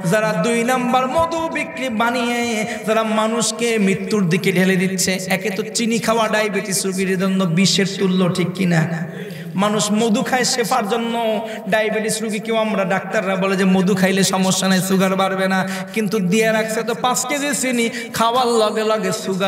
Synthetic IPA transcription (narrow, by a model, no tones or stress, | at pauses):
zaɾad̪ujnambaɾmod̪ubikɾibanijezaɾamanuʃkemɾit̪ːuɾd̪ʱikeɖʱeled̪it̪ːɕʰeɛket̪ot͡ɕinikʰaoaɖajbeʈisɾuɡiɾed͡ʑonːobiʃeɾt̪ulːoʈʰikːina | manuʃmod̪ukʰaeʃepʰaɾd͡ʑonːo | ɖajbeʈisɾuɡikewamɾaɖak̚t̪aɾːaboled͡ʑemod̪ukʰajleʃɔmoʃːanajsuɡaɾbaɾbena | kint̪ud̪ieɾak̚sʰet̪̬opasked̪isini | kʰawalːɔɡelɔɡesuɡa